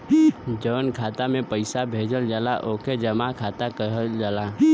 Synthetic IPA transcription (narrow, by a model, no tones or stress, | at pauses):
d͡ʒəʋənkʰaːt̪amẽpəɪsabʱeːd͡ʒəld͡ʒalaʔoːkʰed͡ʒəmakʰaːt̪akəɦəld͡ʒaːla